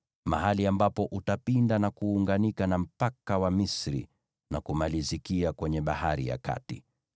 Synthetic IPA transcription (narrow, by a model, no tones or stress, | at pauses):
ma̰ɦaliambapɔʔutapindanakuːŋɡanikanam̩pakawamisɾḭ | nakumalizikiakwɛɲɛɓahaɾḭja̰ka̰ti